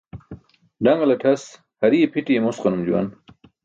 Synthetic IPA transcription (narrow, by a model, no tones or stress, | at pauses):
ɖaŋɡɐlɐʈʰɐs | hɐɾiepʰiʈiemosqanumd͡ʑuwa̰n